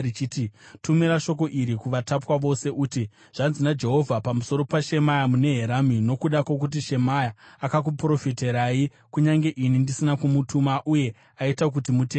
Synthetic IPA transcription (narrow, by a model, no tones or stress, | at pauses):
it͡ʃititumiɾaʃo̞k̬o̞ʔiɾikuʋatapwaʋo̞se̞ʔuti | ʐ̥anzinad͡ʒe̞ɦo̞vʱapamuso̞ɾo̞paʃe̞majamune̞ɦeɾamino̞kuɗakwok̬ut̬iʃe̞majaːkak̬upro̞fiteɾai | kuɲaŋɡe̞ʔinindisinakumutʰumaʔuje̞ | aitak̬utimuteː